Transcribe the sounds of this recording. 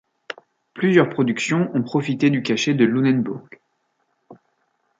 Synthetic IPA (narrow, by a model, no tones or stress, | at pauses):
plyzjœʁpχɔd̪yksjɔ̃ɔ̃pχɔfit̪ed̪ykʲaʃed̪əlunɛnbuʁɡ